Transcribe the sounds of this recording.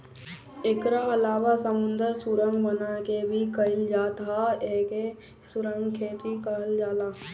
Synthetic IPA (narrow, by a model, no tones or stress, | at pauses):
ekɾaɐlaːwasəmʊ̃nd̪əɾsʊɾə̃ŋɡbənakebʱikəɪld͡ʒaːt̪ɦaeːke | sʊɾə̃ŋɡkʰeːt̪ikəld͡ʒaːlaː